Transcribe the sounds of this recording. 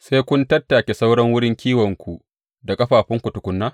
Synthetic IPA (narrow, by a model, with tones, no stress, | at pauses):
seː˦jkʷʊ˦ntɐ˦tːaː˨kʲe˨sa˦wɽɐ˦ŋwʊ˦ɽɪ˦ŋkʲiː˦wɐ˨ŋkʷu˨ | da˨kʼɐ˦ɸaː˨ɸɪ˦ŋkʷʊ˨tʊ˨kʷʊ˦nːaː˦